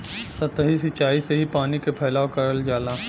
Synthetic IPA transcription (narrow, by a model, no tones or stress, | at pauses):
sɐt̪ɦisɪt͡ʃaːiseɦipaːnikepʰɛːlaːwkɐɾəld͡ʒaːlaː